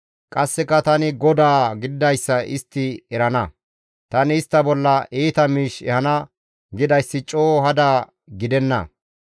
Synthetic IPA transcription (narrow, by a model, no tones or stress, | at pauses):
kʼɐsːɛkːɐt̪ɐnɪɡɔd̪aːɡɪd̪ɪd̪ɐjsːɐʔɪst̪ːɪɛɾɐnɐ | t̪ɐnɪːst̪ːɐbɔlːɐʔiːt̪ɐmiːʃɛ̰hɐnɐ | ɡɪd̪ɐjsːɪt͡ʃʼoːɦɐd̪aː | ɡɪd̪ɛnːɐ̰